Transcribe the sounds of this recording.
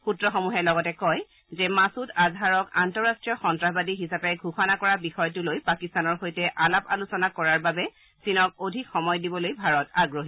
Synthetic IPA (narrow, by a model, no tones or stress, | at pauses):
xutɹɔxomuɦɛlɔɡɔtɛkɔj | zɛmasutazʱaɹɔkantɔɹastɹijɔxɔntɹaɦbadiɦisapɛɡʱuxɔnakɔɹabixɔjtulojpakistanɔɹxojtɛʔalapa̰lusɔnakɔɹaɹbabɛ | sinɔk̚odʱikxɔmɔjdibɔlojbʱaɹɔtaɡɹoɦi